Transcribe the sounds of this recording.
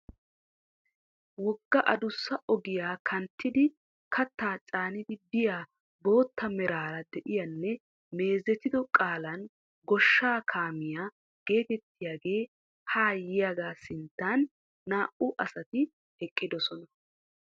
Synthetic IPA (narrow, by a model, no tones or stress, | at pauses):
wɔɡːɐʔɐd̪ʊsːɐʔɔɡɪjaːkʰɐnt̪ːɪd̪ɪ | kʰɐt̪ːaːt͡ʃʼaːnɪd̪ɪbɪjaː | bo̞ːt̪ːɐmɛɾaːɾɐd̪ɛʔɪjɐnːɛ | me̞ːzɛt̪ɪd̪ɔkʼaːlɐn | ɡɔʃːaːkʰaːmɪjaː | ɡ̥e̞ːt̪ɛt̪ːɪjaːɡe̞ː | haːjɪjaɡaːsɪnt̪ːaːnː | aːʔʊʔɐsɐt̪ɪ | ɛkʼːɪd̪ɔsɔnɐ